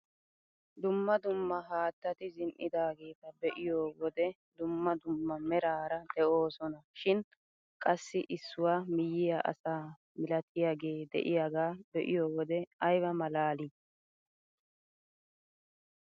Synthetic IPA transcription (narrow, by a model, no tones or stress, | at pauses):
d̪ʊmːɐd̪ʊmːɐɦaːt̪ːɐt̪ɪzɪnʔɪ̰d̪aːɡe̞ːt̪ɐbɛʔɪjoːwɔd̪ɛ | d̪ʊmːɐd̪ʊmːɐmɛɾaːɾɐd̪ɛʔo̞ːsɔnɐʃɪn | kʼɐsːɪʔɪsːʊwaːmɪjːɪjaʔɐ̰saː | mɪlɐt̪ɪjaːɡe̞ːd̪ɛ̰ʔɪjaːɡaːbɛʔɪjoːwɔd̪ɛɐjbɐmɐlaːli